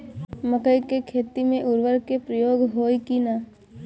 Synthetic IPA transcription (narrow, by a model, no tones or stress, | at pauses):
məkəjkekʰeːt̪imẽʔʊɾʋəɾkepɾəjoːɡɦoːikinaː